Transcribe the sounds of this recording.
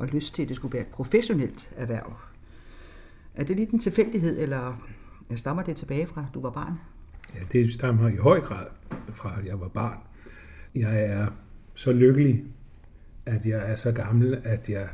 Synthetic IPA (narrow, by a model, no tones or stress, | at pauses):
ʔɒ̽løsd̥̚t͡sʰe̝ld̥e̝sɡ̥uʋæːɐe̝d̥pʰʁo̝feɕo̝nel̰d̥æɐʋæɐ̰ | ʔæɐd̥e̝liːd̥ent͡sʰe̝lfel̰d̥iɦe̝ð̞̰ˠelɐjäɪsd̥ɑ̈mɐd̥e̝t͡sʰe̝b̥ɛːɪfʁɑ̈d̥uʋɑ̈b̥ɑ̰̈ːn | jæd̥e̝sd̥ɑmɐiɦɒ̽ɪ̰ɡ̥ʁɑ̰̈ːð̞̰ˠfʁɑ̈jɑ̈ɪʋɑ̈b̥ɑ̈ːn | jɑ̈ɪæɐsɒ̽løɡ̥əli | æd̥jɑ̈ɪæɐsɒ̽ɡ̥ɑ̈ml̩æd̥jɑ̈ɪ